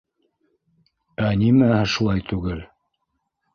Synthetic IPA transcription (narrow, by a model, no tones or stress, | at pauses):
ænimææʃulˠɑjt̪ʉɡɘl